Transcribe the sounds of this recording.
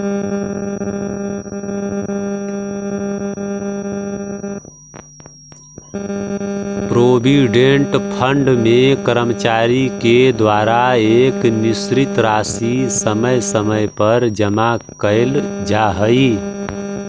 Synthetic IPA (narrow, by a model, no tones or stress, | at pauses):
pɾobiɖeɳʈpʰəɳɖmekəɾəmt͡ʃaɾiked̪ʋaɾaeknisɾit̪ɾasisəməjsəməjpəɾd͡ʒəmakəɪld͡ʒaɦəi